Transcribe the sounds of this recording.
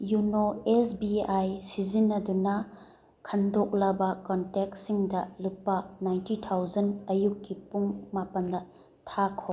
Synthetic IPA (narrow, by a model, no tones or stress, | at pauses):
junoesbiajsizinːɐdunɐ | kʰɐndok̚lɐbɐkɔntek̚siŋdɐlupːɐnajntitʰawzɐnɐjukːipuŋmapɐndɐ | tʰakʰo